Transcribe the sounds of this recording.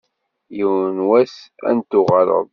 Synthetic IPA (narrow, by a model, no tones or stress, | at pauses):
jiwnwæsæ̰nt̪ʊʁɑɾˤə̰ðˤ